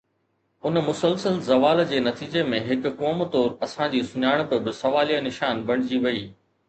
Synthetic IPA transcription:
ʊnmʊsəlsəlzɐʋaːld͡ʑeːnɐt̪iːd͡ʑemẽɦɪkʊ̆kɔːmt̪ɔːɾɐsãd͡ʑiːsʊɲaːɪɽ̃pɪbɪsɐʋaːlijanɪʃaːnbɐɽ̃ɪd͡ʑiʋɐiː

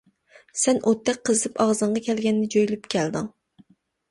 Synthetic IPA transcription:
sɛnʔot̪ʰːɛk̚ʲqʰːəzɨt̪ʰɨpɑʁzɨɴʁɑkʲʰɛlɡʲɛnːɪd͡ʒojlypkʲʰɛld̪ɨŋ

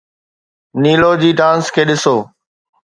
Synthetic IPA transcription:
niːloːd͡ʑiːɖãːnskʰeːɗɪsoː

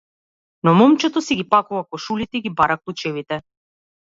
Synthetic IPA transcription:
nɔmɔmt͡ʃɛt̪ɔsɛɡipakuvakɔʃulit̪ɛiɡibaɾaklˠut͡ʃɛvit̪ɛ

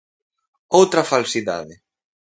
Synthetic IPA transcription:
owt̪ɾɐfalsiða̰ðɪ

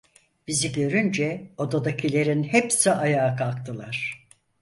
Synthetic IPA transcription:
b̥iziɟø̞ɾynd͡ʒɛo̞d̪ad̪acʰilʲe̞ɾinhepsiʔajaːkʰalˠkt̪ʰɯlˠaɾ̥

